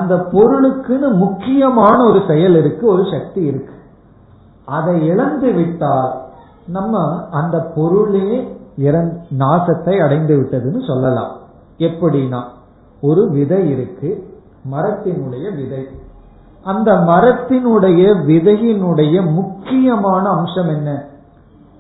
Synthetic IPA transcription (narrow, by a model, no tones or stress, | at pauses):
ɐnd̪ɐpɔɾɯɭɯkːɯnɯmʊkːɪjɐmaːnɐɔɾɯsɛjɐlɪɾɯkːɯɔɾɯʂɐk̚t̪iɪɾɯkːɯ̥ | ʔɐðɐɪɛɭɐnd̪ɯʋɪʈːaːl | nɐmːɐɐnd̪ɐpɔɾɯɭeɪɾɐnd̪naːsɐt̪ːɐɪɐɽɐɪnd̪ɯʋɪʈːɐðɯnɯsɔlːɐlã̰ː | ɛpːɐɽɪnaː | ɔɾɯʋɪðɐɪɪɾɯkːɯ | mɐɾɐt̪ːɪnɯɽɐjɐʋɪðɐɪ | ʔɐnd̪ɐmɐɾɐt̪ːɪnɯɽɐjɐʋɪðɐjɪnɯɽɐjɐmʊkːɪjɐmaːnɐːmʂɐmɛnːɐ